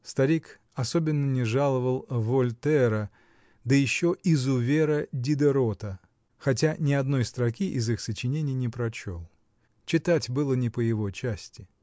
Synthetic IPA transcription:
st̪ɐɾʲik | ɐso̞bʲɪnːənʲɪʐalˠəvəlˠvolʲt̪ɛɾə | d̪əjɪɕːo̞ʔɪzʊvʲeɾədʲɪd̪əɾo̞t̪ə | xɐt̬ʲanʲɪɐd̪no̞jst̪ɾɐkʲiʔɪzixsət͡ɕɪnʲenʲɪjnʲɪpɾɐt͡ɕo̞̰lˠ | t͡ɕɪt̪atʲbɨlˠənʲɪpəjɪvot͡ɕæsʲtʲɪ̥

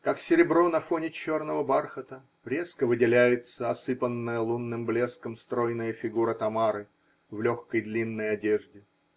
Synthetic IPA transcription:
kaksʲɪɾʲɪbɾo̞nɐfo̞nʲɪt͡ɕo̞rnəvəbarxət̪ə | ɾʲe̞skəvɨdʲɪlʲæjɪt̪səɐsɨpənːəjəlˠunːɨmblʲe̞skəmst̪ɾo̞jnəjəfʲɪɡuɾət̪ɐmaɾɨ | vlʲo̞xkəjd̪lʲinːəjɐdʲeʐdʲɪ

